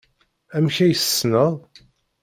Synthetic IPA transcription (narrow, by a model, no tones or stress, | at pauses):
æmçæjəsːnəðˤ